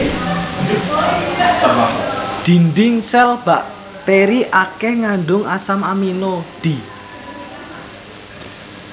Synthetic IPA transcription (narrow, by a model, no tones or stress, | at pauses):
d̪̥i̤nd̪ɪŋsɛlb̥aʔ | t̪eɾiʔakɛhŋaɳɖʊŋasamaminod̪̥i